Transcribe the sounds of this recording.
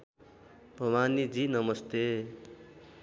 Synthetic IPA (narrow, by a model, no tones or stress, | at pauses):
bʱʌwanid͡zinʌmʌst̪e